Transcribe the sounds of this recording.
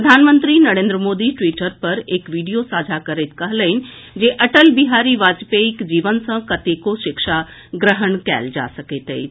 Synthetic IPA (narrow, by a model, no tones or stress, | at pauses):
pɾəd̪ʱaːnmə̃nt̪ɾinɐɽẽnd̪ɾəmoːd̪iʈʋiːʈəɾpɐɾeːkʋiːɖijosaːd͡ʒʱakəɾet̪kəɦləind͡ʒeʔəʈəlbiɦaːɾiʋaːd͡ʒpeikd͡ʒiːʋənsɐ̃kɐt̪ekoʃɪkʃa | ɡɾəɦəɳkɛ̰ːld͡ʒa̰ːsəket̪eḭ